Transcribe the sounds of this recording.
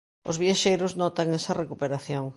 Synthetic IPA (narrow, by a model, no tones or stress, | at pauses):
o̰zβjaʃejɾʊznɔt̪aŋesɐrekupeɾaθjoŋ